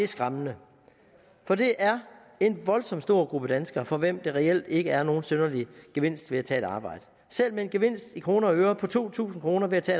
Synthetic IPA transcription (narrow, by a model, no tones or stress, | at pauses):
esɡ̥ʁɑmnə | fɒ̽d̥e̝ʔæɐ | e̝nʋɒ̽lsɒ̽m̰d̥sd̥o̝ɐ̰ɡ̥ʁub̥əd̥ænsɡ̥ɐfɒ̽ʋem̰d̥eʁɛel̰d̥e̝ɡ̥əæɐno̝ːn̩sønɐliɡ̥e̝ʋe̝n̰sd̥ʋe̝æt͡sʰɛ̰ːeɾ̥ɑ̈ːb̥ɑ̈ɪ̰d̥ə | sel̰meenɡ̥e̝ʋe̝n̰sd̥ikʰʁo̝ːnɐøːɐpʰɒ̽t͡sʰo̝̰ːt͡sʰṵːsn̩kʰʁo̝ːnɐʋe̝æt͡sʰɛ̰ː